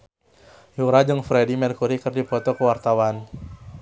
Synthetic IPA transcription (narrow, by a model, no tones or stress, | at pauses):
juɾad͡ʒɨŋfɾɛdimɛrkuɾikɨrdipɔt̪ɔkəwart̪awan